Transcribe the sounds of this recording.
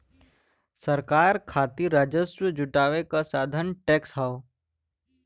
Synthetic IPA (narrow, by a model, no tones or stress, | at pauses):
səɾkaːɾkʰaːt̪iɾaːd͡ʒəswəd͡ʒʊʈaːʋekasaːd̪ʱənʈɛːksɦao